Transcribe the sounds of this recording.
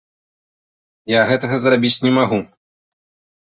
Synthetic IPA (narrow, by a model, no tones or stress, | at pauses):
jaɣɛt̪ɐɣɐzrabʲit͡sʲnʲɛmaɣu